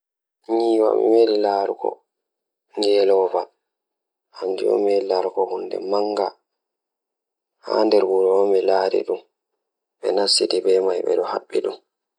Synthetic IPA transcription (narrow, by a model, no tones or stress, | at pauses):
ɲiːwa̰mḭmelilaːɾukɔ̰ | ŋɡɛlɔva | hand͡ʒuɔ̰melilaɾukɔhunːdɛ̰maŋɡa | ha̰ndɛɾbuɾɔɔmɛlaːɾḭɗum | ɓɛnasːidɛbɛmajɓɛ̰ɗɔha̰ɓːiɗum